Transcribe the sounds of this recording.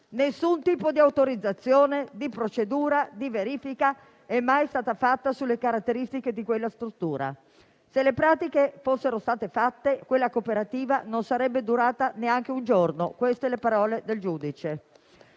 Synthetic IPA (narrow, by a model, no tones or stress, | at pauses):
nesːunt̪iːpod̪iawt̪oɾid̪zat̪sːjoːned̪ipɾot͡ʃed̪uːɾad̪iveɾiːfika | ɛmːajst̪aːt̪afat̪ːasulːekaɾat̪ːeɾist̪iked̪ikwelːast̪ɾut̪ːuːɾa̰ | selepɾaːt̪ikefosːeɾost̪aːt̪efat̪ːekwelːakopeɾat̪iːvanonsaɾɛbːed̪uɾaːt̪aneaŋk̟eund͡ʒorno̰kwest̪elepaɾɔːled̪eld͡ʒuːd̪it͡ʃe